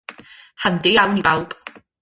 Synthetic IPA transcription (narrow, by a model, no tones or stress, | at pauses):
hɐnt̪iawniaw